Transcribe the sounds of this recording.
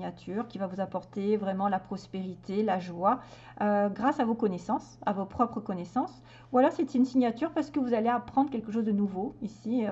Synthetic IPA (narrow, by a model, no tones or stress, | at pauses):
at̪ʰyʁkʲivavuzapɔʁt̪evʁɛmɑ̃lapχɔspeʁit̪ʰelaʒwa | øɡʁasavokɔnesɑ̃sa̰vopχɔpχəkɔnesɑ̃s | ualɔʁsɛt̪iynsiɲat̪yʁpaʁsə̥kəvuzaleapχɑ̃d̪ʁkʲɛlkəʃ̬ozd̪ənuvoisi